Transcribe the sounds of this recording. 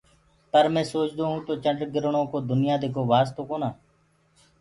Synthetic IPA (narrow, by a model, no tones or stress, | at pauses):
pəɾmɛ̃ːsoːt͡ʃd̪oːɦũːt̪oːt͡ʃəɳɖɡɪɾɳõːkoːd̪ʊnɪjãːd̪eːkʰoːʋaːst̪oːkoːnaː